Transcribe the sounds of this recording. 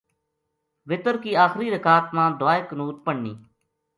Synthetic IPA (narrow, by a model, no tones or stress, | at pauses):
ʋɪt̪əɾkiːaːxɾiːɾəkaːt̪mãːd̪ʊaːeknuːt̪̚pəɳːḭː